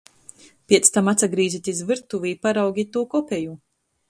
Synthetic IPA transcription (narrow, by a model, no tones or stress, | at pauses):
pʲiɛt̪st̪amat̪saɡɾiːzit̪ʲizvɨɾt̪uviːpaɾawɡʲit̪uːkɔpʲɛju